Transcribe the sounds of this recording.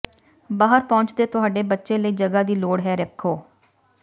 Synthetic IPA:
baːɦəɾpɔ̃ːt͡ʃd̪eːt̪ʊɦaːɖeːbətːʃẽːləiːd͡ʒəɡaːd̪iːloːɽɦɛːɾəkʰːoː

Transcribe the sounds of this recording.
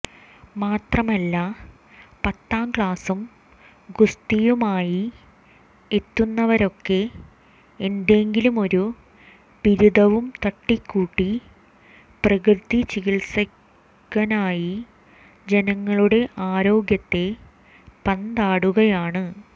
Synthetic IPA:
maːt̪rɐmɐlːɐ | pɐt̪ːaːmkɭaːsum | ɡust̪ijumaːji | et̪ːunːɐʋɐɾo̞kːe̞ | end̪e̞ŋɡilumo̞ɾu | piɾud̪ɐʋumt̪ɐʈːikːuːʈːi | prɐkrɨd̪it͡ɕiɣilsɐkː | ɐnaːji | d͡ʑe̞nɐŋːɐɭuɽe̞ʔaːɾo̞ːɡjɐt̪ːe̞ | pɐnd̪aːɽuɣɐjaːɳɨ

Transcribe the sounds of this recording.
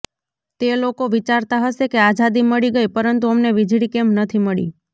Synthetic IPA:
t̪elokoʋit͡ʃaɾt̪aɦəʃekeazad̪iməɭiɡəjpəɾənt̪uəmneʋid͡ʒʱɭikemnət̪ʰiməɭḭ

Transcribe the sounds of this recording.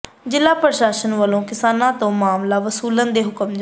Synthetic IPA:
d͡ʒɪlːaːpəɾʃaːʃənʋəlõːkɪsaːnãːt̪õːmaːmlaːʋəsuːlənd̪eːɦʊkəmd͡ʒ

